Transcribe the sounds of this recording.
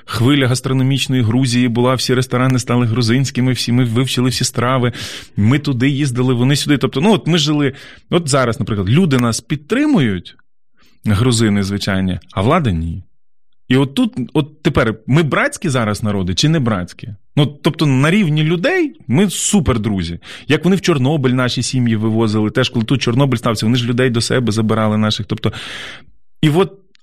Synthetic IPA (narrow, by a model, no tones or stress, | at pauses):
xʋɪlʲɐɦɐst̪ɾɔnɔmʲit͡ʃnɔjiɦɾuzʲijibʊlˠɑwsʲiɾest̪ɔɾɑnɪst̪ɑlˠɪɦɾʊzɪnʲsʲkʲɪmɪwsʲimɪʋɪwt͡ʃɪlˠɪwsʲist̪ɾɑʋɪmɪt̪ʊd̪ɪjizd̪ɐlˠɪʋɔnɪsʲʊd̪ɪt̪ɔp̚t̪ɔnuɔt̪mɪʒɪlˠɪɔt̪zɑɾɐsnɐpɾɪklˠɐd̪lʲud̪ɪnɑspʲit̪̚t̪ɾɪmʊjʊtʲ | ɦɾʊzɪnɪzʋɪt͡ʃɑ̰jnʲːɐɐʋlˠɑd̪ɐnʲi | iɔt̪ːut̪ɔt̪ːepɛrmɪbɾɑt͡sʲkʲizɑɾɐsnɐɾɔd̪ɪt͡ʃɪnɛbɾɑ̰t͡sʲkʲinut̪ːɔp̚t̪ɔnɐɾʲiwnʲilʲʊd̪ɛjmɪsuperd̪ɾuzʲijɐkʋɔnɪwt͡ʃɔrnɔbɪlʲnɑʃʲisʲimjiʋɪʋɔzɪlˠɪt̪ɛʃkɔlˠɪt̪ut̪̚t͡ʃɔrnɔbɪlʲst̪ɑwsʲɐʋɔnɪʒlʲʊd̪ɛjd̪ɔsɛ̰bɛzɐbɪɾɑlˠɪnɑʃɪxt̪ɔp̚t̪ɔ | iʋɔt̪̚